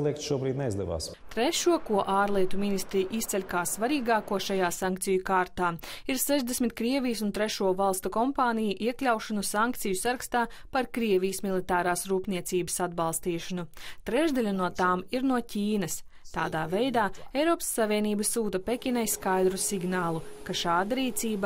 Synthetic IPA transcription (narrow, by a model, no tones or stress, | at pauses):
lˠiɛk̚t̪ʃuɔbɾiːd̪nɛizd̪ɛʋa̰ːs | t̪ɾɛʃuɔkuɔʔaːɾlˠiɛt̪umʲinist̪ɾijʔist̪sɛlʲkaːssvaɾiːɡaːkuɔʃajaːsaŋk̚t̪sijukaːɾt̪aːiɾsɛʒd̪esmit̪̚kɾiɛvʲijsunt̪ɾɛʃuɔvalˠst̪ukɔmpaːnʲijuʔiɛklʲawʃanusaŋk̚t̪sijusaɾɐkst̪aː | paɾkɾiɛvʲijsmʲilˠit̪aːɾaːsɾuːpniɛt̪siːbəsad̪̚balˠst̪iːʃanut̪ɾɛʒd̪alʲunuɔt̪aːmiɾnuɔcʲiːnɐs | t̪a̰ːd̪aːvɛjd̪aːɛjɾɔːpsːavʲiɛniːbɐsuːt̪ɐpʲekʲinajskajd̪ɾusiɡnaːlˠukaʃaːd̪aɾiːt̪siːb